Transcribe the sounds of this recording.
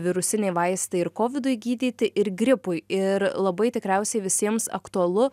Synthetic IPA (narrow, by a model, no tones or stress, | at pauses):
ʋʲɪɾʊsʲɪnʲɛɪʋɐɪst̪ɐɪɪɾkoːʋʲɪd̪ʊɪɡʲiːd̪ʲiːt̪ʲɪʔɪɾɡɾʲɪpʊjɪɾlˠɐbɐɪt̪ʲɪkɾʲɛˑʊsʲɛɪʋʲɪsʲiɛmsɐ̰kt̪uɐlˠʊ